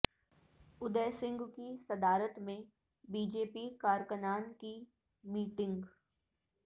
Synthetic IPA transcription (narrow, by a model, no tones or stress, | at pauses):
ʊd̪əːsɪ̃ŋɡkisɐd̪aːɾət̪mẽ | biːd͡ʒeːpikaːɾkənaːnki | miːʈɪ̃ŋɡ